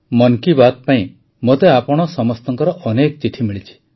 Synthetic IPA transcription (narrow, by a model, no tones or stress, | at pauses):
mɔŋkibat̪̚paĩ | mot̪eapɔɽ̃ɔsɔmɔst̪ɔŋkɔɾɔʔɔnekɔt͡ʃiʈʰimiɭit͡ʃʰi̥